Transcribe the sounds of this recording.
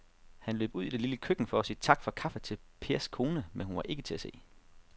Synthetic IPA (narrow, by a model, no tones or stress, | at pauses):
hænlø̰ːb̥uð̞̰ˠid̥eliləkʰøɡ̥n̩fɒ̽ɒsiːt͡sʰɑ̈ɡ̥fɒ̽kʰɑ̈fət͡sʰe̝lpʰe̝ɐskʰo̝ːnəmenhunʋɑ̈ʔe̝ɡ̥ət͡sʰe̝æse̝̰ː